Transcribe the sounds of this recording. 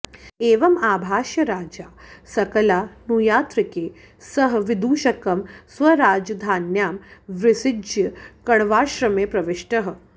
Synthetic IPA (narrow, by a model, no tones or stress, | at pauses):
eːʋɐmaːbʱaːʃjɐɾaːd͡ʒaːsɐkɐlaːnuːjaːt̪ɾikeː | sɐɦʋid̪uːʃɐkɐmsʋɐɾaːd͡ʒɐd̪ʱaːnjaːmʋɾɪsɪd͡ʒjɐkɐɳʋaːʃɾɐmeːpɾɐʋiʂʈɐɦə̆